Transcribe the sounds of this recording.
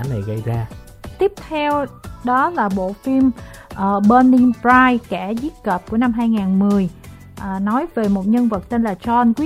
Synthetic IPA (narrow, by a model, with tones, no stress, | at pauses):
na˨˩jɣə˧jzaː˧ | t̪i˦˥əp̚t̪ʰɛ˧wɗɔ˨˦laː˨˩ɓo̰˧˨fi˧mʔːɓəː˧nːi˧ŋpɹaː˧jkaː˧˩zi˦˥kəː˨˩p̚ku˧˩əna˧mɦaː˧jŋaː˨˩nmɨ˨˩əj | ʔːnɔ˨˦jve˨˩mo˨˩t̚ɲə˧nvə˨˩t̚t̪e˧nlaː˨˩t͡ɕɔ˧nkwi˦˥